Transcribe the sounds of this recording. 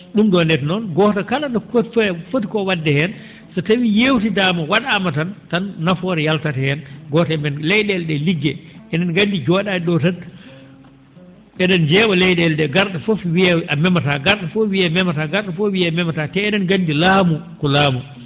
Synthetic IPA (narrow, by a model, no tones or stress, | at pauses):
ɗumɗɔndɛtnɔnɡɔtakalandɔffotikɔwadːɛhɛn | sɔtawijewtidaːmawaɗaːmatantanːafɔɾɛjaltatɛhɛnɡɔtamɛnlɛjɗɛlɗɛliɡːɛʔɛnɛnɡandid͡ʒɔːɗaɛɗɔtatː | ɛɗɛnd͡ʒɛɓalɛjɗɛldɛɡaɾɗafofwiɛamɛmataɡaɾɗafɔwiɛmɛmataɡaɾɗafɔwiɛmɛmatatɛɛnɛnɡandilaːmukɔlaːmu